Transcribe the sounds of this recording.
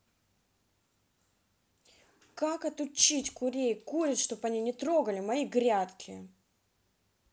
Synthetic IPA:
kakɐt̪ʊt͡ɕːitʲkʊɾʲejkuɾʲɪt̪ʂt̪o̞pɐnʲinʲɪt̪ɾo̞ɡəlʲɪmɐiɡɾʲat̪kʲʰɪ

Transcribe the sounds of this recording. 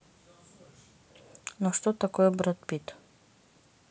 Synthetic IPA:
nɔʃt̪ot̪akojɔbɾat̪pit̪

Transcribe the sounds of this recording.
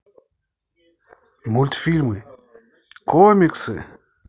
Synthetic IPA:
mult̪filmɨ | kʰomiksɨ̰

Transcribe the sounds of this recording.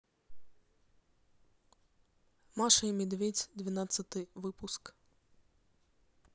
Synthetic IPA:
maʂɨjmʲɛd̪vʲedʲd̪ʲvʲɪnat̪sɐt̪ɨvɨpusk

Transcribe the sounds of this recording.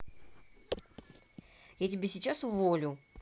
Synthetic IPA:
jatʲɪbʲesʲɪt͡ɕasʊvolʲʊ

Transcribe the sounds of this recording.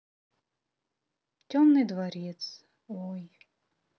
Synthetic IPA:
tʲomnɨd̪vaɾʲɛt̪s | ɔj

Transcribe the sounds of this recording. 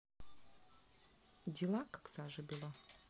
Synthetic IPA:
dʲɪlˠakḁksaʐɨbʲilˠa

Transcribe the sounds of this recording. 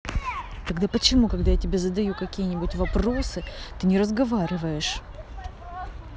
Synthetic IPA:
t̪ɐɡd̪apət͡ɕɪmukɐɡd̪ajatʲɪbʲe̞zəd̪ɐjukɐkʲijənʲɪbʊtʲvɐpɾo̞sɨt̪ɨnʲɪɾəzɡɐvaɾʲɪvəjɪʂ

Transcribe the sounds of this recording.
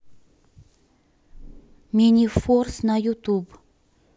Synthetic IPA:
mʲeniforsnajut̪ub

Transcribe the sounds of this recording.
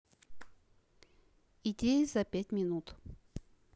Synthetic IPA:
idʲejəzɐpʲætʲmʲɪnut̪

